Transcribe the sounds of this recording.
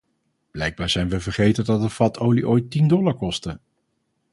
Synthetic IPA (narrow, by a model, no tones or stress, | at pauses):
b̥lɛjɡ̚baːɹz̥ɛjnʋəvəɹχejtədɑt̚dəfɑtowliʔojtindɔlˠaɹkɔstə